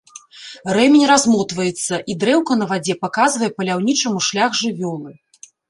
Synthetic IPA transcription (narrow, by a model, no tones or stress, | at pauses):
rɛmʲinʲɾazmɔt̪vɐjɛt̪sːɐʔid̪ɾɛwkɐnɐvad͡zʲɛpakazvɐjɛpɐlʲawnʲit͡ʂɐmuʂlʲaɣʐɨvʲɔlˠɨ